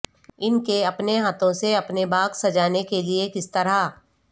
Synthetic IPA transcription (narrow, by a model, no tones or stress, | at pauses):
ɪnkeɐpneɦaːt̪ʰõseɐpnebaːɡsɐd͡ʒaːnekeliekɪst̪ɐɾa